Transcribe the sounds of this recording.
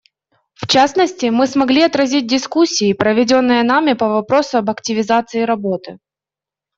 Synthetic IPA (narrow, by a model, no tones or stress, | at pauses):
ft͡ɕasnəsʲtʲɪmɨsmɐɡlʲiɐt̪ɾɐzʲit̚ʲdʲɪskusʲːɪːpɾəvʲɪdʲo̞nːɨjənamʲɪpɐvɐpɾo̞sʊɐbɐktʲɪvʲɪzat̪sɨɪɾɐbo̞t̪ɨ